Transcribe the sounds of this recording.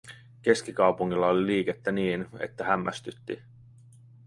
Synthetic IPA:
ke̞sk̟ikɑwpuŋːilːɑoliliːke̞t̪ːæniːnḛt̪ːæɦæmːæ̰st̪yt̪ːḭ

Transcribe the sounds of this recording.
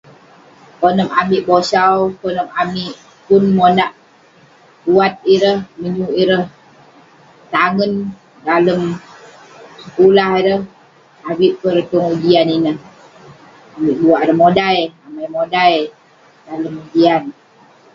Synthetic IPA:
konəmamiʔbosawkɔnəmamiʔ | pʊnmonaʔ | buat̪̚iɾəhməɲuʔiɾəh | t̪aŋən | daləm | səkulahiɾəh | abiʔpərkəŋud͡ʒianinəh | amiʔbuaʔiɾəhmodajamajmodaj | daləmud͡ʒian

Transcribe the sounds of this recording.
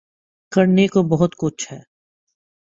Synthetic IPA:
kɐɾnekobɐɦʊt̪kʊt͡ʃʰhɛː

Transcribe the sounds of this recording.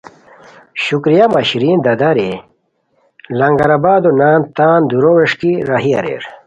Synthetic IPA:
ɕukɾijamɐɕiɾiːnd̪ɐd̪aɾe | lɐŋɡɐɾabaːd̪onaːnt̪aːnd̪uɾoweʂkiɾaɦiɐ̰ɾḛːɾ

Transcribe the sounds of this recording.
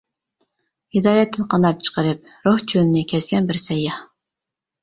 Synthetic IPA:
hɪd̪ɑːjɛt̪ʰːɪnqʰɑnɑp̚t͡ʃʰə̥qəɾɨp̚ɾoht͡ʃʰønɪnɪkʲʰɛsɡʲɛnbɪɾsɛjːɑ

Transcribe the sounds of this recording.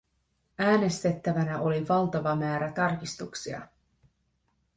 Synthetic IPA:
æːne̞st̪e̞t̪ːæʋænæʔo̞liʋɑlt̪ɑʋɑmæːɾæt̪ɑrk̟ist̪uksiɑ̰

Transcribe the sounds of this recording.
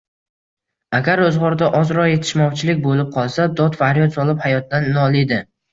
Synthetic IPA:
aɡʲaɾɵzʁɒɾd̪aʔɒzɾɒje̞t̪ʰɪ̥ʃmɒwt͡ʃʰɪlɪk̚ʲbolɪp̚qʰɒlˠsad̪ɒt̪fahɾjɒt̪sɒlˠɪphajɒt̪̚ːanːɒlˠɪd̪ɪ

